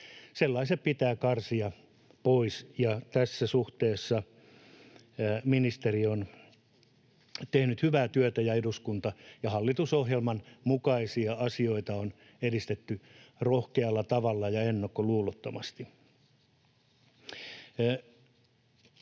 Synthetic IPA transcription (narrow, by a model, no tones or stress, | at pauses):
selːɑiseppit̪æːkɑrsiɑ | poisjɑt̪æsːæsuht̪eːsːɑ | minist̪erion | t̪ehnyt̪hyʋæːt̪yøt̪æjɑeduskunt̪ɑjɑhɑlːit̪usohjelmɑnmukɑisiɑɑsioit̪ɑon | edist̪et̪ːyrohkeɑlːɑt̪ɑʋɑlːɑjɑenːokːoluːlot̪ːomɑst̪i